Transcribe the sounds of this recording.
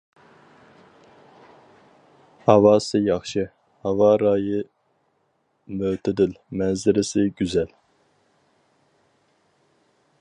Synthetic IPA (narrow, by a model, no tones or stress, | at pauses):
hɑvɑːsɨjɑχʃɨ | hɑvɑːɾɑːjɨ | møːt̪ʰɪd̪ɪlmɛnzɪɾɪsɪɡʲyzɛl